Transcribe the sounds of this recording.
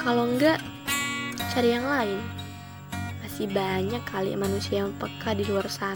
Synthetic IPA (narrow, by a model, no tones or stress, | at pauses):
kaloŋɡaʔ | t͡ʃaɾijaŋlaɪn | masihbaɲakːalḭʔmanusiaməpəkadiluarsa